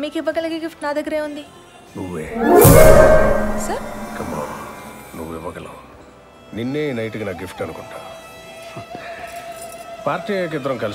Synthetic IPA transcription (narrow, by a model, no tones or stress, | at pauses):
miːkiʋːɐɡɐlɐkiɡipʈnaːd̪ɐɡːɐɾeːund̪i | nuʋeː | sɐɾkɐmːɐɽo̰nuʋːuiʋːɐɡɐlo̰ː | ninːeːnɐjʈikinaːɡipʰʈɐnukuɳʈa̰ː | paːɾʈiːɐɐk̬ɪt̪ɾɐmkɐl